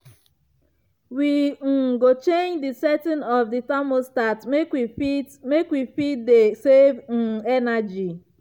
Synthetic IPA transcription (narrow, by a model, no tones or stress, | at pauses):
wiŋ̩ɡot͡ʃeɲd͡ʒdisɛtɪ̃nɔvditamostatmekwifi | mekwifit̚desevŋ̩ɛnad͡ʒi